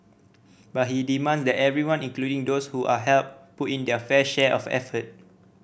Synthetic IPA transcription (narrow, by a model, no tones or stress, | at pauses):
bat̚hidimãnsdɛtɛvɹiwãnĩŋkluɾĩŋdoshuʔaɦɛlp̚putĩndəfɛʃɛʔɔfɛ̰fət̚